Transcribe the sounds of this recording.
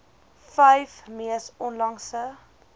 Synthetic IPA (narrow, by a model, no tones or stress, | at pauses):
fəjfmiəsɔnlɐŋsə